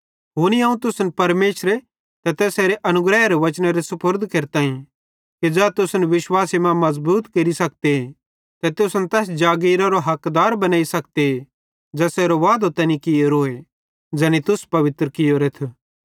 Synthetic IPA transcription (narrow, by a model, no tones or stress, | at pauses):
ɦoːniɐ̃ːũt̪ʊsnpɐɾmeːʃɾe | t̪ɛt̪ɛːseːɾeʔɐnʊɡɾɛːɦeɾeʋɐt͡ʃneɾesɐpəɾd̪ʱkeːɾt̪aːĩ | tid͡ʒɛt̪ʊsnʋɪʃwaːsemãmɐzbuːt̪keɾisɐk̚t̪ee | t̪ɛt̪ʊsnt̪ɛːsd͡ʒaːɡiːɾaɾoɦɐkd̪aːɾbɐnaːisɐkt̪ee | d͡ʒɛːseːɾoʋaːd̪ot̪ɐnĩkɪjoɾoːe | d͡ʒɐnit̪ʊspɐʋɪt̪ɾəkɪjoɾet̪ʰː